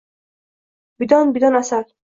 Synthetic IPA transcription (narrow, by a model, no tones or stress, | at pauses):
bid̪ɔnbid̪ɔnasal